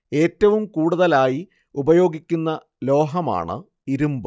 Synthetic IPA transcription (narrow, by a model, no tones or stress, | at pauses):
e̞ːtːɐʋumkuːɽuðɐlaːji | ubɐjo̞ːɡikʲːunːɐ | lo̞ːɦɐma̰ːɳɨ̰ | iɾumbɨ